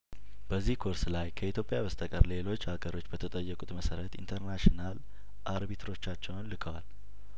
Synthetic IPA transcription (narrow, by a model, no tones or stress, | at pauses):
b̥əzːihkʰo̞ɾslajkʰəit̪jo̞pʼjaβəst̪ʰʼəkʼəɾle̞lo̞t͡ʃːhaɡəɾo̞t͡ʃːbət̪ʰət̪ʼəjːəkʼut̪ʼməsəɾət̪ḭnt̪ʰəɾnaʃinal | ʔaɾbit̪ʰɾo̞t͡ʃːat͡ʃːɛwunlɨkʰəwa̰l